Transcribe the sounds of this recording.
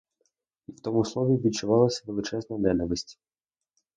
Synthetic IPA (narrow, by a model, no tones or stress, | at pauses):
iwt̪ɔmʊslˠɔʋʲiʋʲid̪̚t͡ʃʊʋɑlˠɐsʲɐʋelˠɪt͡ʃɛznɐnɛnɐʋɪsʲtʲi̥